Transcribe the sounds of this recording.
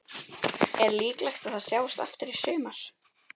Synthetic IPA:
ɛɾliːklajxt̪aðaðsjaːwɪst̪a̰ft̪ʏɾisʏːmaɾ̥

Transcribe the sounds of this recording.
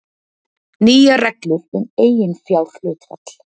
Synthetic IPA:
niːjarɛklʏɾɛnejjɪnfjalxløːt̪fa̰t̪l̥

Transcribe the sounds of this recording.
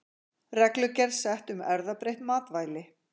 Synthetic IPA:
rɛklʏcɛɾðsɛht̪ʏmɛɾðapɾejht̪maːt̪vaːjlɪ

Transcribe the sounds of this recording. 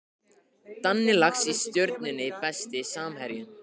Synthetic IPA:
t̪anːɪlaxsist̪jœɾt̪nɪnɪpɛst̪ɪsaːmɦɛɾjʏm

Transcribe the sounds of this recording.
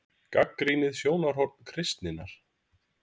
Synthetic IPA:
kakːɾiːnɪðsjoːwnaɾ̥ɦɔɾt̪̚n̥kʰɾɪst̪nɪnːaɾ̥

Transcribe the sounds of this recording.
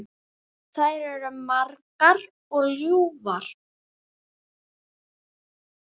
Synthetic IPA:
θajɾɛɾʏmaɾkaɾ | ɔɣljuːvaɾ̥

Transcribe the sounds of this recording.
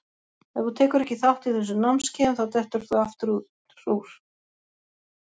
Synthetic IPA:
ɛθut̪ʰɛːkʏɾɛhcːɪθawht̪iθɛs̬ʏnamnscɛːnθawt̪ɛht̪ʏɾ̥θuaft̪ʏɾu | ɾuɾ̥

